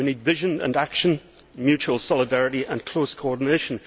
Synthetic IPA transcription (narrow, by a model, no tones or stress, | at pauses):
winidvɪʒə̃nə̰̃nakʃə̃n | mjʉt͡ʃuəlˠsɔlˠɪdaɹɪɾiʔə̃nkʰl̥oskʰoɔɹdⁿneʃə̃n